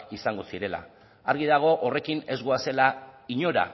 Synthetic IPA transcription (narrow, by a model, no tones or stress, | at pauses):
isaŋɡo̞siɾe̞la̰ː | ɾɣiðaɣ̞o̞ʔore̞kine̞zɣoase̞laiɲo̞ɾa̰